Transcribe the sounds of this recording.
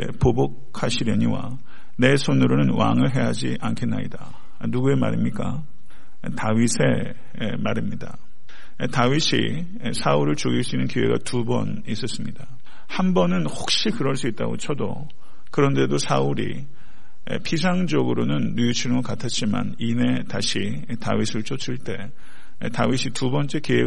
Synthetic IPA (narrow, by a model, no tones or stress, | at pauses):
pobok̚ʰhaɕʰiɾjʌɲiwa̰ | ne̞sʰonɯɾonɯnwa̰ŋɯɭɦe̞ɦad͡ʑiʔankʰe̞nːa̰ɲida | nuɡue̞ma̰ɾimɲik͈a̰ | taɥisʰe̞ | maɾimɲida̰ | tawiɕʰḭ | sʰauɾɯɭt͡ɕoɡiɭs͈uinːɯnkiwe̞̰ɡa̰tubʌ̰n | is͈ʌs͈ɯmɲid̥a | hambʌnɯnhok̚ɕ͈ikɯɾʌɭs͈uit̚t͈a̰ɡo̰t͡ɕʰʌdo̰ | kɯɾʌnde̞dosʰauɾḭ | pʰis̬ʰaŋd͡ʑʌɡɯɾonɯnːujut͡ɕʰiɭŋɯkatʰat̚t͡ɕ͈ima̰nine̞taɕʰi | ta̰wɥisʰɯɭt͡ɕʰot͡ɕʰiɭt͈e̞ | tawiɕʰitubʌnt͡ɕ͈e̞kiwe̞